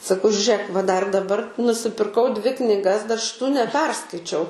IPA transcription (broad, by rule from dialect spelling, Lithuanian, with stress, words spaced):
sɐˈkɐʊ ʒʲʊˈrʲeːk ʋɐ dɐr dɐˈbɐr nʊsʲɪpʲɪrˈkɐʊ ˈdʲʋʲɪ knʲɪˈɡɐs dɐr ʃʲɪˈtuː nʲɛˈpʲɛrskɐɪt͡ʃʲɛʊ